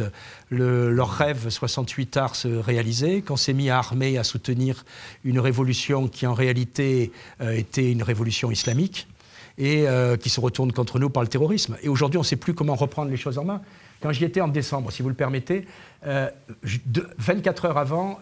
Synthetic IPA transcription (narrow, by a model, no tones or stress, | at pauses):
ləlœʁːɛvswasɑ̃t̪ʰɥit̪aʁsəʁealizɛkɔ̃sɛmiaːʁmeasut̪əniʁynʁevɔlysjɔ̃kʲʰiɑ̃ʁealit̪eøet̪ɛynʁevɔlysjɔ̃islamik | eøkʲisəʁət̪uʁnkɔ̃t̪χənupaʁlət̪eʁɔʁismeoʒuʁd̪ɥiɔ̃sɛplykɔmɑ̃ʁəpχɑ̃d̪ʁleʃozɑ̃mɛ̃ | kɑ̃ʒiet̪ɛɑ̃d̪esɑ̃bʁəsivuləpɛʁmet̪e | øʒd̪vɛ̃t̪̚kat̪χœʁavɑ̃